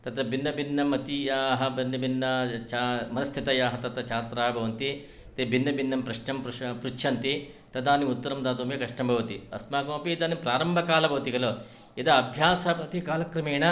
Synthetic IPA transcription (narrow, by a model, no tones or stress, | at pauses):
t̪ɐt̪ɾɐbinːɐbʱinːɐmɐt̪ijaːɦɐbɐnːɐbinːɐt͡ʃamɐnɐst̪ʰit̪ɐjaːɦɐt̪ɐt̪ɐt͡ʃaːɾt̪ɾaːɐbʱɐʋɐnt̪i | t̪ebʱinːɐbʱinːɐmpɾɐʂɳɐmpɾpɾut͡ʃʰɐnt̪i | t̪ɐd̪aːniut̪ːɐɾɐmd̪aːt̪oːmjɐkɐʂʈɐmbʱɐʋɐt̪iɐ̰smaːɡoːpiid̪aːnimpɾaːɾɐmbʱɐkaːlɐbʱɐʋɐt̪iɡɐlo | id̪ɐɐbʱjaːsɐɐt̪ikaːlɐkɾɐmeːɳɐ